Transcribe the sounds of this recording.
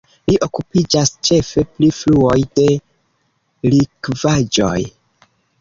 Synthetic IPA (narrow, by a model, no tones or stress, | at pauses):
liʔo̞kupid͡ʒast͡ʃe̞fe̞plifluo̞jde̞ | likvad͡ʒo̞̰j